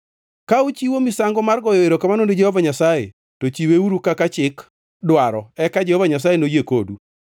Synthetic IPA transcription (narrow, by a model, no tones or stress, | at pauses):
kaut͡ʃiwomisaŋɡɔmarɡɔjoeɾokamanonded͡ʒɛhɔvaɲasajḛ | tot͡ʃiweuɾukakat͡ʃɪk | dwaɾɔɛkad͡ʒɛhɔvaɲas̬ajenojekodu